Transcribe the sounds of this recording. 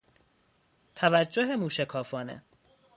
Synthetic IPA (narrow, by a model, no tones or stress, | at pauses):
t̪ʰævæd͡ʒːoɦemuːʃekʰɒːfɒːnḛ